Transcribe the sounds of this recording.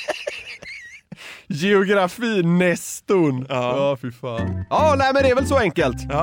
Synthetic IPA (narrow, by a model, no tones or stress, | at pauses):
jɛʊɡɾafiːnɛst̪ʊnɑːfɪfaːnjɑːnæɪmɛnd̪ɛɾvɛlsɔɛŋkəlt̪ː